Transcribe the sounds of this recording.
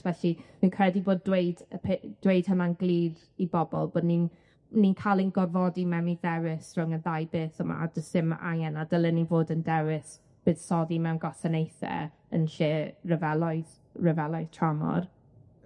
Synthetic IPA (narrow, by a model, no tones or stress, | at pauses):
vɛɬimɨnkʰrɛdiboːdːwejdəpʰed̥wejd̥hənanɡlˠiːð | ibɔbɔ̰lˠboːdnin | ninkʰalˠɪnɡɔrvɔdimɛwniðɛwɪsrʊŋənðajbeːθəma̰dəsɪma̰ŋɛnadəlˠənivoːdəndɛwɪs | b̥ɨːðsɔðimɛwnɡɔsənejθɛ̰ | ə̰nɬeːrəvɛlˠɔjð | rəvɛlˠɔjð̥tʰramɔ̰r